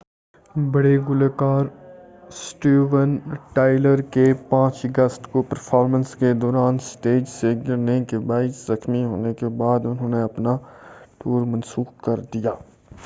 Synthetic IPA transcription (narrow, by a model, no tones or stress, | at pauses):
bəɽeɡʊlekaːɾ | sʈuːʋənʈaːɪləɾkepãːt͡ʃəɡəsʈkopəɾpʰaːɾmə̃nsked̪ɔːɾaːnsʈeːd͡ʒseɡɪɾnekebaːɪszɐxmiɦo̰ːnekebaːd̪ʊnɦõːneɐpnaʈuːɾmɐnsuːxkɐɾd̪ijaː